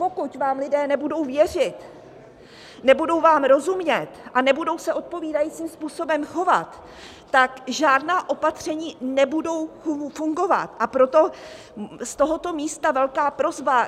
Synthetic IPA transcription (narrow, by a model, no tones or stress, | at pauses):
po̞kucvaːmlɪdɛːnɛbudo̞wvjɛr̝ɪt̪ | nɛbudo̞wvaːmɾo̞zumɲɛt̪ʔanɛbudo̞wsɛʔo̞t̪̚po̞viːdajiːt͡siːmspuːso̞bɛmxo̞vat̪ː | akʒaːdnaːʔo̞pat̪r̝̥ɛɲiːnɛbudo̞wfuŋɡo̞va̰t̪ʔapɾo̞t̪o̞ | st̪o̞ɦo̞t̪o̞miːst̪avɛlkaːpɾo̞zba